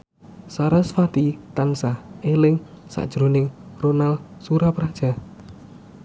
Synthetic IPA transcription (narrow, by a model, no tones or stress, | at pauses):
saɾasfat̪it̪ansaelɪŋ | sa̰ʔd̥ʒ̥ɾonɪŋronalsuɾapɾad̥ʒ̥a̤